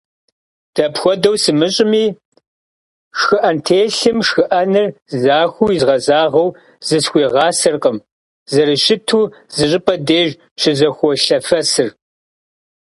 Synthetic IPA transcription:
d̥ɐpxʷɔdɐwsɨmɨɕʼɪmiː | ʂxɨʔɐntʰeːɬɨmʂxɨʔɐnɨrzaːxʷujizʁɐzaːʁɐw | zɨsxʷiːʁɑːsɨrqəm | zɐɾɨʃɪtʰuː | zɨɕʼɪpʼɐdeːʒ | ʃɪzɐxʷɔɬɐfɐsɨr

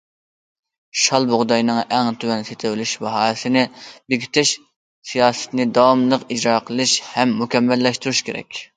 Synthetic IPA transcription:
ʃɑlˠboʁd̪ɑjnɨŋɛŋt̪ʰywɛnset̪ʰɪwɪlyʃbɑɦɑːɨsɨnɪbeɡʲʰy̥t̪ʰɪʃ | sijɑːsɨ̥t̪nɪd̪ɑwmlˠəqid͡ʒɾɑːqʰəlˠɨʃhɛmːukʲɛmːɛlːɛʃt̪uɾuʃkʲʰeɾɛ̰kʲ

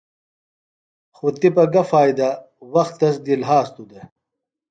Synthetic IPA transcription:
xut̪ipɐɡɐfaːjd̪ɐ | wɐxt̪ːɐsd̪ilɦaːst̪ud̪e

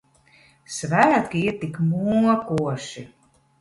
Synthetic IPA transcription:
svæːt̪kiiɾt̪ikmuɔkuɔʃi

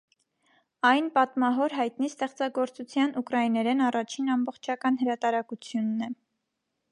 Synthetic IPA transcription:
ɑjnpɑt̪mɑɦɔɾɦɑjt̪nist̪ɛχt͡sɑɡɔɾt͡sut͡sʰjɑnukɾɑinɛɾɛnɑrɑt͡ʃʰinɑmbɔχt͡ʃʰɑkɑnɦəɾɑt̪ɑɾɑkut͡sʰjunːɛ

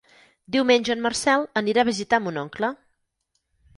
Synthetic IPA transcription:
d̪iwmenʲʒəːnmərsɛlˠəniɾaːβizit̪amunɔŋklə

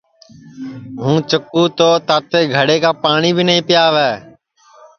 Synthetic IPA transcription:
ɦũːt͡ʃəkːuːt̪oːt̪aːt̪eːɡʱəɽeːkaːpaːɳiːbʱinəɦĩːpɪjaːʋɛː

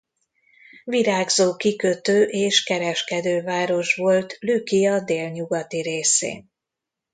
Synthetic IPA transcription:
viɾaːɡzoːkikøt̪øːʔeːʃkɛɾɛʃkɛd̪øːvaːɾo̞ʃʋo̞lt̪lykijɒd̪eːlɲuɡɒt̪iɾeːsḛːn

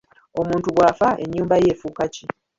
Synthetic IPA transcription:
o̞muːntuβwaːfaʔe̞̰ɲːuːmbaje̞ːfuːkaci

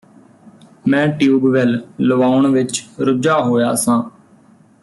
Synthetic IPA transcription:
mɛ̃ːʈjuːbʋɛlləʋaːʊɳʋɪt͡ʃɾʊd͡ʒaːɦoːjaːsãː

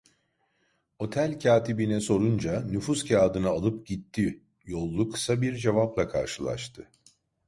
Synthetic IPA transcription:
o̞t̪ʰælʲcʰaːt̪ibinɛso̞ɾund͡ʒanyfuscʰaːd̪ɯnaːlˠɯpɟit̪ʰːi | jo̞lˠːukʰɯ̥sabiɾd͡ʒe̞vaplˠakʰa̰ɾʃɯlˠa̰ʃt̪ʰɯ

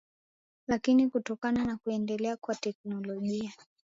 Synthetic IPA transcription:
lakinikutɔkananakuɛndɛlɛakwatɛk̚nɔlɔʄia

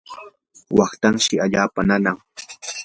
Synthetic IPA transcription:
wɑχt̪aŋʃɪaʎaːpananaŋ

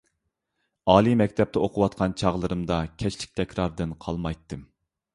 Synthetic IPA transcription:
ɑːlˠimɛkʲt̪ʰɛp̚t̪ɛoqʰʊwɑt̪qʰɑnt͡ʃʰɑʁlˠɨɾɨmd̪ɑkʲʰɛt͡ʃlɪk̚ʲt̪ʰɛkʲɾɑɾd̪ɨnqʰɑlˠmɑjt̪ːɨm

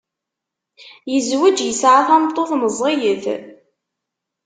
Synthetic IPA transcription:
jəzwæd͡ʒjəsʕaθæmt̪ˤːoθməzˤijəθ

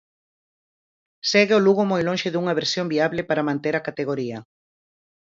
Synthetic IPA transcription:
sɛɣɪoluɣomojlõnʃɪðuŋɐβ̞eɾsjõmbiaβlɪpaɾamãnt̪eɾakat̪eɣoɾiɐ

